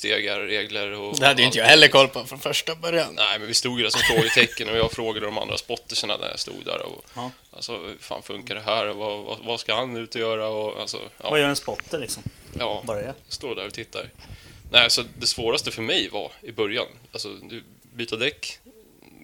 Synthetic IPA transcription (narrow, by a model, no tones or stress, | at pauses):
st̪ḛːɡaɾɾeːɡləɾɔd̪ɛhad̪əjɪnt̪əjahɛlːəɾkʰɔlːpʰɔfɾɔnfœʂʈabœɾjannɛɪmɛnvɪst̪uːɡɪd̪æɾsɔmfɾoːɡət̪ʰɛkːənɔjɑːɡfɾoːɡad̪əd̪ɔma̰nd̪ɾa̰spɔt̪ːɪʂəna̰d̪æ̰ɾja̰st̪ṵːɡd̪æ̰ɾɔ̰ | a̰lsɔhfa̰ːnfɵŋkaɖ̪ɛɦæːɾɔvava̰vaskahanʉ̟ːt̪ɔjœːɾaɔa̰lsɔ̰ʔɑ̰ːvajœːɾɛnspɔt̪ːəlɪksɔmjɑːbœjast̪oːd̪æɾɔt̪ʰɪt̪ːaɾnɛɪsɔd̪ɛsvoːɾast̪əfœɾmɛjva̰ɾɪbœɾja̰nalsɔd̪ɵ | byːt̪ad̪ɛkː